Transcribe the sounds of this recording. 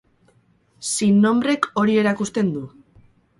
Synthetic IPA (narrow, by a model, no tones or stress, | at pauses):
sinːo̞mbɾe̞ko̞ɾie̞ɾakust̪e̞nd̪u